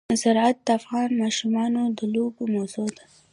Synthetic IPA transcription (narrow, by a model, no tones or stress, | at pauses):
zaɾat̪̚d̪əafɣɑnmɑʃumɑnod̪əlobomawzod̪a